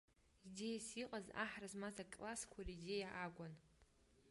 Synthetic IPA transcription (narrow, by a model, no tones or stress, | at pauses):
izejsiqʼaza̰ħrazmazakʼlaskʷʰarizejaʔaɡʷan